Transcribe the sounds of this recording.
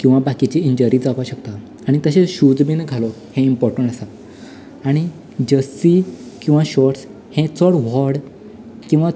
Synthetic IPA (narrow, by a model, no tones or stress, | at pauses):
kĩw̃ʋabakit͡ɕiiɲd͡ʑəɾid͡zaʋaɕəkt̪a | aɽ̃it̪əɕẽɕud͡zbinɡʱalɔ | hẽimpɔɾʈəɳʈəsaː | ɽ̃i | d͡ʑəsikĩw̃ʋãɕɔʈs | hẽt͡sɔɽʋɔɽ | kĩw̃ʋa